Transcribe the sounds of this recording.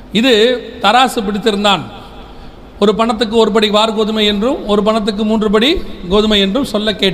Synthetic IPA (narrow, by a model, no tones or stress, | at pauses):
ɪðɯt̪ɐɾaːsɯpɪɽɪt̪ːɪɾɯnd̪aːn | ɔɾɯpɐɳɐt̪̬ːɯk̬ːɯɔɾɯp̬ɐɽiʋaːɾɯɡoːðɯmɐɪɛndrɯmɔɾɯpɐɳɐt̪̬ːɯk̬ːɯmuːndrɯpɐɽiɡoːðɯmɐɪɛndrɯmsɔlːɐkːeːʈː